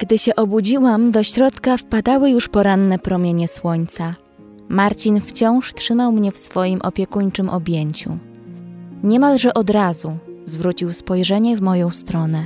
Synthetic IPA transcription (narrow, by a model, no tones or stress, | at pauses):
ɡ̥d̪ɘɕɛʔɔbud͡ʑiwamd̪ɔɕɾɔt̪kafpad̪awɘjuʂpɔɾanːɛpɾɔmʲjeɲɛswɔɲt̪sa | maɾt͡ɕinft͡ɕɔ̃w̃ʂtʂɘmawmɲɛfsfɔjimʔɔ̰pʲjɛkuɲt͡ʂɘmʔɔbʲjeɲt͡ɕṵ | ɲɛmalʐɛʔɔd̪ɾazuzvɾut͡ɕiwspɔjʐɛɲɛvmɔjɔ̃w̃st̪ɾɔnɛ